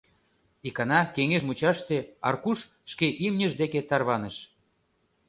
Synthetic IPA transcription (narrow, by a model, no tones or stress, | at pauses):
ikɑnɑkeŋeʃmut͡ɕɑʃt̪eɑ̰rkuʃʃkeʔimnʲəʒd̪eket̪ɑrβɑneʃ